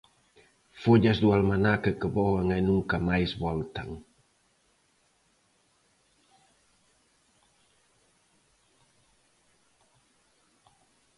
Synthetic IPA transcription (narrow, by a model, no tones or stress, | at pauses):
foʎasd̪ualmanakəkəβɔɣaŋanuŋkamajsbɔlt̪aŋ